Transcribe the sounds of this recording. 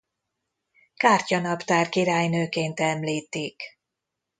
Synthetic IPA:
kaːrcɒnɒpt̪aːrkiɾaːjnøːkeːnt̪ɛmliːt̪ːik

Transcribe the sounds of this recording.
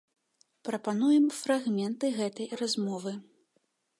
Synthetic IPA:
pɾɐpan̪ujɛmfɾaɣmʲɛnt̪ɨɣɛt̪ɐjrazmɔvɨ

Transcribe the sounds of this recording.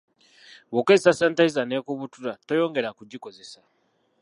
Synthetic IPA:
βokezisasaːntaizaneːkuβutuɾato̞jo̞ːŋɡe̞ɾakuɟiko̞ze̞sa

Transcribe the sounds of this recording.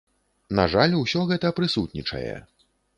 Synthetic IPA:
naʐalʲusʲɔɣɛt̪ɐpɾɨsut̪̚nʲit͡ʂɐ̰jɛ̰

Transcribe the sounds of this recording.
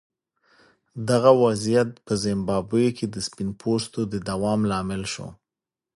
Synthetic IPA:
d̪aɣawazijat̪̚pəzɪmbɑbəjokʰed̪əspɪnpʰost̪od̪əd̪awɑmlɑmɪlʃo̰

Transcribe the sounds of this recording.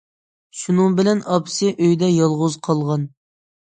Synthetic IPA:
ʃunɨŋbɪlɛnɑpsɨʔøjd̪ɛjɑlˠʁʊzqʰɑlˠʁɑn

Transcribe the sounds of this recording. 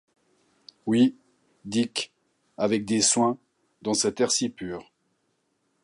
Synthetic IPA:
wi | d̪ik | avɛk̚d̪eswɛ̃ | d̪ɑ̃sɛt̪ɛʁsipyːʁ

